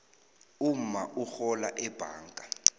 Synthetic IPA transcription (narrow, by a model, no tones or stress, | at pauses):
um̩maʔuxɔla̰ʔɛb̥ʱa̰ːŋkʼa